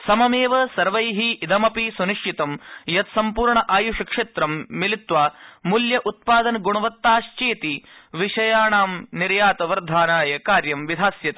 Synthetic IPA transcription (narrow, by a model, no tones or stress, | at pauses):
sɐmɐmeːʋɐsɐɾʋɐjɦiːd̪ɐmɐpisuniʂʈʰit̪ɐmjɐt̪sɐmpuːɾɳɐʔaːjuʃɐkʂeːt̪ɾɐmːilit̪ʋaːmuljɐʔut̪̚paːd̪ɐnɡuɳɐʋɐt̪ːaːʃt͡ʃeːt̪iʋiʂɐjaːɳaːmniɾjaːt̪ɐʋɐɾd̪ʱaːnaːjɐkaːɾjɐmʋid̪ʱaːsjɐt̪ɐ